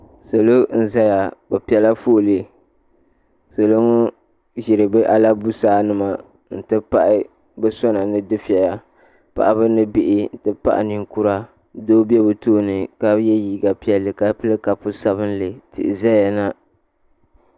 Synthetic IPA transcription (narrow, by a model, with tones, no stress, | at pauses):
so˨lo˦n̩˦za˦ja˨bɛ˨pi˨ɛ˨la˦fo˦˨li˨ | so˨lo˦ŋo˦ | ʒɪ˨ɾɨ˨bɨ˦ʔa˦la˦bu˦saː˦nɨ˨ma˨ | n̩˨tɨ˦pa˦ʔɪ˦ | bɛ˦sɔ˦na˨nɨ˦dɨ˦fi˨ɛ˨ja˨ | pa̰˨ʔa˦bɨ˦nɨ˦bɪ˨ʔɪ˦n̩˨tɨ˦pa̰˦ʔɪ̰˨ni˨ŋ˦ku˦ɾa˦ | doː˦bɛ˦bɨ˨toː˦nɨ˨ka˦jɛ˦jiː˦ɡa˨pi˦ɛ˦lːɨ˨ka˦pɨ˦lɨ˦ka˨pʊ˦sa˦βɨ˦n˦lɨ˨tɨ̰˨ʔɪ˨za˦ja˨na˦